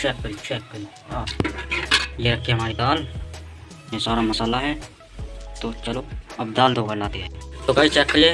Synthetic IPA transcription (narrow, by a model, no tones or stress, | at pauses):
t͡ʃɛːkːəlt͡ʃɛːkːəli | aː | jeɾɐkʰːeɦɐmaːɾit̪aːl | jesaːɾamɐsaːlaɦɛ | t̪ot͡ʃəloɐb̚d̪aːlt̪ɦoːkəɾlaːt̪iɦɛt̪okaːit͡ʃɛːkːəle